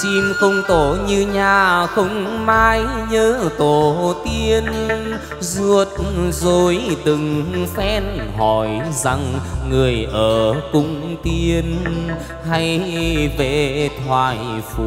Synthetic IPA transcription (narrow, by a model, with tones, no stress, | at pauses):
si˧mxə˧wŋ͡mt̪o˧˩ɲɨ˧ɲaː˨˩xə˧wŋ͡mmaː˧jɲəː˧˦t̪o˨˩t̪i˧ən | zu˧˩ət̚zo˨˩jɗ̪ɨ˨˩ŋfɛ˧˥nɦɔ˧˨˩jza˧˩ŋːɨ˨˩əjʔəː˧˩kʊ̰˧˥ŋ͡mt̪i˧ən | ha˧jve˧˩t̪ʰwaː˧˨˩jfu˨˧˩